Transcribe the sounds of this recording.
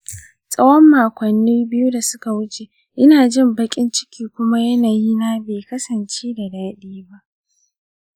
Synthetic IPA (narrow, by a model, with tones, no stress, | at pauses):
sʼɐ˦wɔ˦mːaː˨kʷɐ˨nːiː˦bɪ˦ju˦da˨sʊ˦ka˨wʊ˦t͡ʃe˨ | ʔɪ˦naː˨d͡ʒɪ˦˨mbɐ˦kʲʼɪ˦nt͡ʃɪ̥˦kʲʰiː˦kʷʊ˦ma˦jɐ˦naː˨ji˦naː˦beː˨kɐ˦sɐ˨nt͡ʃeː˦da˨daː˦ɗiː˦ba˦ʔ